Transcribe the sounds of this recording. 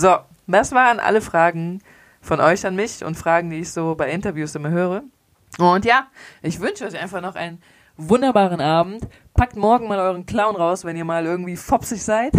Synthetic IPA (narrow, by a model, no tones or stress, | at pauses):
zo | d̥asv̥aːʁənʔa̰ləfʁ̥aːɡŋ̩ | fɔnʔɔʏçanmɪçʊ̰ntfʁ̥aːɡŋ̩diːɪçz̥oːbaɪʔɪntɐvjuːsʔɪmɐlɦøːʁ̞ə | ʔʊntjaːʔɪçv̥ʏnʃəɔʏçaɪnfaχnɔχʔa̰ɪnən | vʊndɐbaːʁ̞ənʔaːbm̩t | pʰak̚tmɔɐɡŋ̩maːlʔɔʏʁ̞ənkl̥aʊnʁaʊsvɛniːɐmaːlʔɪɐɡŋ̩tv̥iːfɔpsɪçz̥aɪt